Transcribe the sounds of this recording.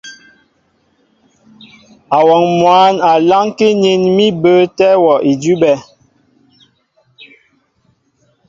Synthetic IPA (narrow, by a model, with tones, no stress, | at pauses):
a˨wɔ˨ŋmwa˨˦na˨la˦ŋke˦ɲe˦˨nmi˦bə˦tɛ˦wɔ˨ʔi˨d͡ʒi˦bɛ˦